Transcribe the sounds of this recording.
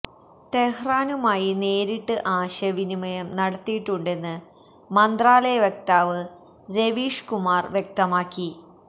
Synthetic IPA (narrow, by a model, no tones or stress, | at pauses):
t̪e̞hraːnumaːjine̞ːɾiʈːɨʔaːɕɐʋinimɐjɐmnɐɽɐt̪ːijiʈːuɳɖe̞nːɨ | mɐnd̪raːlɐjɐʋjek̚t̪aːʋɨ | ɾe̞ʋiːʂkumaːrʋjek̚t̪ɐmaːkːi